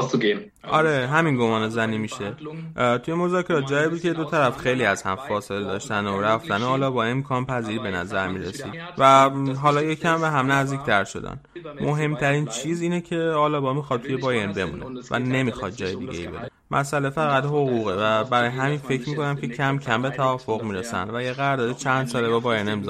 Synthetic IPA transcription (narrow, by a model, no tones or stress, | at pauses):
sɡen | ʔɒɾeɦæminɡo̞mɒːnezænimiʃe̞t̪ʰuje̞mo̞zɒːcʰe̞ɾɒːt̪̚d͡ʒɒːjebud̪̚kcʰed̪o̞t̪ʰæɾæfxe̞jliːæz̥hæ̰mfɒːseled̪ɒːʃt̪ænoɾæft̪ænhɒːlɒːbɒːe̞mkʰɒːnpʰæziːɾibe̞næ̰zæɾmiːɾḛsḭd̪̥væɦɒlɒːjecʰiæmvæɦæmnæzd̪iːkʰt̪ʰæɾʃo̞̰d̪æ̰nmʔo̞ɦe̞mt̪ʰæɾiːnt͡ʃʰiːziːnecʰe̞hɒːlɒːbɒmixɒd̪̚t̪ʰuje̞bɒːjenbe̞mṵːne̞̰væ̰ne̞mixɒd̪̚d͡ʒɒːje̞d̪ḭɟe̞̰jḭbe̞̰ɾemʔæ̰sæle̞fæɣæd̪hoɣuɣevæbæɾɒːjeɦæmiːnfe̞cʰɾmiːko̞næmcʰe̞cʰæmcʰæmbe̞t̪ʰævɒːfo̞ɣmiːɾesæ̰nd̪væjeɣæɾd̪ɒːɾet͡ʃʰænd̪̥sɒːlebɒbɒːjenemiz